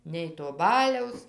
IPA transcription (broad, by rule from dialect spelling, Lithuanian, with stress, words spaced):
nʲɛɪ toː ˈbɑːlʲɛʊs